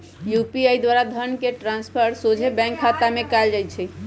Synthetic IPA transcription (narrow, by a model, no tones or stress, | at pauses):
jupiajd̪waɾad̪ʱənkeʈɾãnspʰəɾsod͡ʒʱebɛ̃ŋkʰːat̪amekald͡ʒaj̪t͡ʃʰɛ